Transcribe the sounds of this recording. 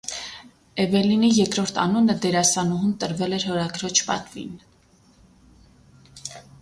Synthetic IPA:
ɛvɛlinijɛkɾɔɾt̪ʰɑ̰nunəd̪ɛɾɑsɑnuɦunt̪əɾvɛlɛɾhɔɾɑɡɾɔt͡ʃʰpɑ̰t̪vḭn

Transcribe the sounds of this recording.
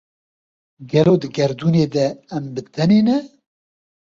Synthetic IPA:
ɡɛloːd̪ɨɡɛɾd̪uːneːd̪ɛːmbɨt̪ʰɛneːnɛ

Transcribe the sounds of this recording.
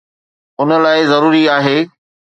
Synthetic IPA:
ʊnə̆laːɪzɐɾuːɾiaːɦeː

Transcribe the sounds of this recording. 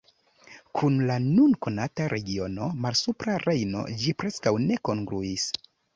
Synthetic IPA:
kʰunlanunko̞nataɾʔe̞ɡio̞no̞malsupɾaɾe̞jno̞̰d͡ʒipɾe̞skawne̞ko̞ŋɡɾuis

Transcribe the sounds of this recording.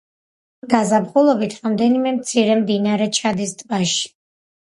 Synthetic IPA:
ɡazabχulˠɔbit̪ʰɾamd̪ɛnimɛmt̪sʰiɾɛmd̪inaɾɛt͡ʃʰad̪isd̪baʃi̥

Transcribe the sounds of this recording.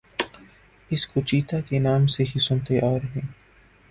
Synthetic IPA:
ɪskot͡ʃiːt̪akenaːmseɦisʊ̃nt̪eʔɔːɾɦɛ̃ː

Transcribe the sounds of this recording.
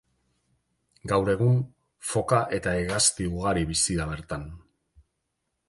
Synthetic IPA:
ɡawɾe̞ɣ̞un | fo̞kaʔe̞t̪aeɣast̪iuɣ̞aɾiβisiɾaβ̞e̞ɾt̪an

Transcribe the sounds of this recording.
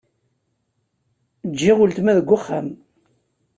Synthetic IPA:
d͡ʒːɪʁʊlt̪mæðəɡʷːʊχːam

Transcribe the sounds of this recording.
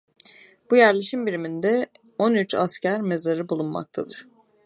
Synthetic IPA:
b̥ujæɾlʲeʃimbiɾimind̪ɛ | onyt͡ʃa̰scæɾme̞zaɾɯbulˠunma̰k̚t̪ʰad̪ɯɾ̥

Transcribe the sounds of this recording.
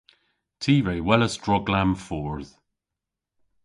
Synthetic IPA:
tʰiːveɪwɛləsd̥ɹɔɡlãmfɔːɹð̥

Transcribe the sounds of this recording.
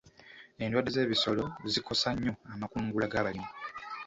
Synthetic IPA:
e̞ːndwaːde̞ze̞ːβiso̞lo̞zikʰo̞saɲːo̞amakuːŋɡulaɡaːβalimo

